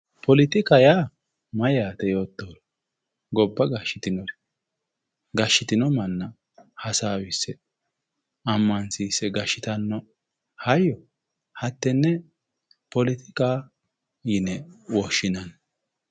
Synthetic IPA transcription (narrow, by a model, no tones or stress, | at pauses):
pɔlɪt̪ɪkɐjaː | mɐjaːt̪ɛjo̞ːt̪ːoɾ | ɡɔbːɐɡɐʃːɪt̪ɪnɔɾ | ɡɐʃːɪt̪ɪnɔmɐnːɐ | hɐsaːwɪsːɛ | ɐmːɐnsiːsːɛɡɐʃːɪt̪ɐnːɔ | hɐjːɔ | hɐt̪ːɛnːɛ | pɔlɪt̪ɪkʼaː | jɪnɛwɔʃːɪnɐn